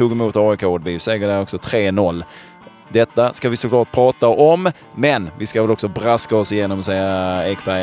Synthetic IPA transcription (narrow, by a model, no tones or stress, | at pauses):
t̪uːɡɛmuːt̪ɑːɔkʰoːd̪̚biːsɛːɡədæɾɔksɔt̪ʰɾeːnɔlː | d̪ɛt̪ːaskavɪsʊkʰlɑːʈ̚pʰɾɑːt̪aʔɔmː | ɛnvɪskavɛlɔksɔbɾaskaɔsɪjeːnɔmɔsɛjːaɛkbæ